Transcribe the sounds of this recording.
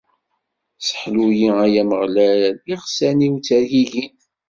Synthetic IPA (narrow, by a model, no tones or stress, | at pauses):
sə̥ħlujiæjæməʁlæɾiʁsæniwt͡sːæɾjiʝin